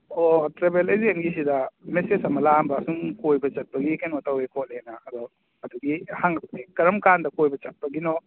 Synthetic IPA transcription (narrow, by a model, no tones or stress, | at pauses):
otɾebelezenɡis̬idɐmesesɐmɐlambɐːsuŋkojbɐt͡ʃɐt̚pɐɡikenotawekʰot̚lenaːdɔ | ɐduɡihaŋɐpɐdikɐɾɐmkandɐkojbɐt͡ʃɐt̚pɐɡinɔ